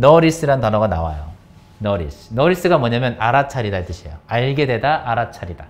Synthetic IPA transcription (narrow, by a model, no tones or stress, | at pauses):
nʌɾis͈ɯɾantanʌɡana̰wa̰jo | nʌɾḭsnʌɾis͈ɯɡamʌɲamjʌnʔaɾat͡ɕʰaɾidait͈ɯɕʰiḛjoaɭɡe̞dwe̞daʔaɾat͡ɕʰaɾida